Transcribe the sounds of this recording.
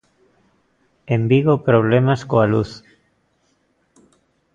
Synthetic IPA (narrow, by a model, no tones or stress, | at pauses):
embiɣopɾoβ̞lemaskoaluθ